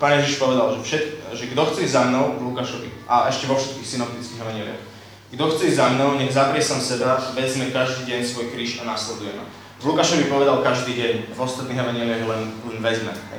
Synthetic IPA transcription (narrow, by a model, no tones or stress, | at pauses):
paːnjɛʒiʃpɔʋɛd̪alʒɛfʃɛt̪ʒɛɡd̪ɔxt͡sɛizamnɔʊvlukaʃɔʋḭʔaɛʃcɛʋɔfʃɛ̥t̪̚kiːxsinɔp̚t̪it͡skiːɣɛʋaɲɪɛlḭa̰x | ɡd̪ɔxt͡sɛizamnɔʊɲɛɣzapɾɪɛsamsɛb̪aʋɛzmɛkaʒd̪iːɟɛɲsʋɔjkɾiːʃanaslɛd̪ujɛma̰ | vlukaʃɔʋipɔʋɛd̪alkaʒd̪iːɟɛɲvɔst̪at̪niːɦɛʋaɲɪɛliaɣlɛnlɛnʋɛd͡zmɛ̰ɦɛ̰